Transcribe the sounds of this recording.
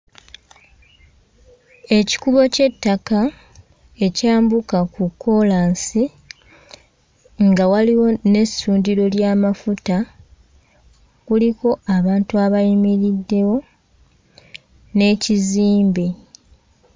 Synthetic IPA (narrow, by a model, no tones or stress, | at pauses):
e̞ci̥kuβo̞ce̞tːaka | e̞caːmbukakukːo̞laːnsi | ŋɡawaliwo̞ne̞suːndiɾo̞ljaːmafuta | kuliko̞ʔaβaːntuaβajimiɾidːe̞wo̞ | ne̞ːciziːmbe